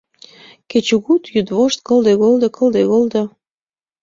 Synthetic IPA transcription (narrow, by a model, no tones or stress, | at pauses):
ket͡ɕuɣut̪jyd̪βoʃt̪̚kɤ̆ld̪eɣold̪ə̆kɤ̆ld̪eɣold̪ə